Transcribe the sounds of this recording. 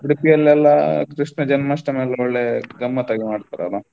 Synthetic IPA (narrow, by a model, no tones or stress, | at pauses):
ɽipiɐlːɛlːɐkɾiʂnɐd͡ʒɐnmɐʂʈɐmelːɐɔɭːeɡɐmːɐt̪aːɡimaːɖt̪aɾɛ̰la